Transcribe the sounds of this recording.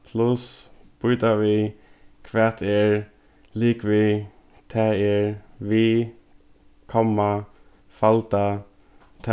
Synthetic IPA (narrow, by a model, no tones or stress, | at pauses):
pʰlʊsb̥ʊjt̪aʋɪkʰʋɛːt̪ɛɹ | liːkʋɪ | t̪ʰɛɛɹʋi | kʰɔmːa | falt̪a | t̪ʰ